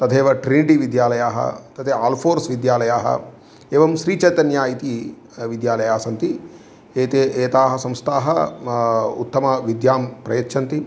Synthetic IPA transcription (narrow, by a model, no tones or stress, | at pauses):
t̪ɐt̪ʰeːʋɐʈɾiniʈiʋid̪jaːlɐjaːɦɐ̰t̪ɐt̪ʰeːaːlpʰoːɾsʋid̪jaːlɐjaːɦɐ̰ | eːʋɐmʃɾiːt͡ʃɐjt̪ɐnjaːjit̪i | ʋid̪jaːlɐjaːsɐnt̪i | eːt̪eːʔeːt̪aːɦɐsɐmst̪aːɦɐ | ṵt̪ːɐmɐʋid̪jaːmpɾɐjɐt̪ːʃʰɐnt̪i